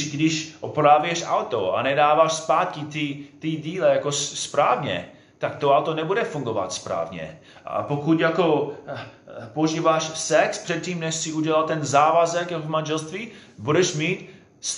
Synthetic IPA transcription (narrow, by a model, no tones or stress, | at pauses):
ʃɡdɪʃʔopɾavjɛʃa̰wt̪oa̰nɛdaːvaːʃspaːt̪̚kɪt̪it̪iɟiːlɛjakospɾaːvɲɛ̰ | t̪akt̪oawt̪onɛbudɛfuŋɡova̰t̪spɾa̰ːvɲɛ̰ | a̰pokut̪jako̞ | poʒiːvaʃsɛkspr̥ɛt̪̚ciːmnɛʃsɪuɟɛlalt̪ɛnzaːvazɛkjakovmanʒɛlst̪viːbudɛʃmiːt̪ | s